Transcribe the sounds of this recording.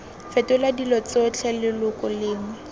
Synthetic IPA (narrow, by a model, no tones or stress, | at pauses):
fɛtʊladilɔt͡sɔt͡ɬʰɛlɪlʊkʼɔlɪːŋwɛ